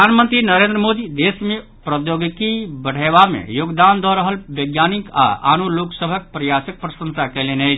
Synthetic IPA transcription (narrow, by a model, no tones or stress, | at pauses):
anmənt̪ɾinəɾẽnd̪ɾəmod̪id̪esme | pɾəjoɡkibəɽ̤əβamḛjoɡd̪and̪ɔɾəɦəlbəɡjanika̰ʔa̰nuloksəbʱək̚pɾəjasək̚pɾəsə̃nsakɛlenəɪt͡ʃʰ